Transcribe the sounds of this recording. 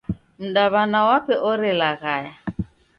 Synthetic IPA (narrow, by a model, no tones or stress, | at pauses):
m̩daβanawapɛʔɔɾɪlaɣaja